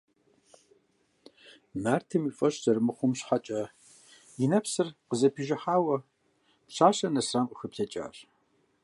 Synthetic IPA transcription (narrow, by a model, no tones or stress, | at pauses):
naːrtʰɨmifʼɐɕz̥ɐrmɨχʷʊmɕħat͡ʃʼɐ | jɪnɐpsɨrqəzɐpʰiʒɪħaːwɐ | pɕaːɕɐnɐsraːmqʷʼʊxɨpɬʰɐt͡ʃʼa̰ːɕ